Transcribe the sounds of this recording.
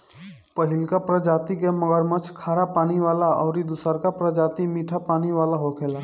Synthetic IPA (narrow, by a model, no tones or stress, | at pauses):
pəɦɪlkapɾəd͡ʒaːt̪ikeməɡəɾmə̃t͡ʃʰkʰaːɾapaːniʋaːlaɔːɾid̪ʊsəɾkapɾəd͡ʒaːt̪imiːʈʰapaːniʋaːlaɦoːkʰeːlaː